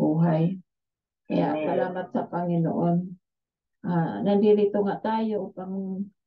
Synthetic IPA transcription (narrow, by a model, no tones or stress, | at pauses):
uɦaj | kaja̰ʔsalaːmat̪̚sapaŋino̰ʔon | anandiɾit̪ʊŋaʔt̪ajopaŋ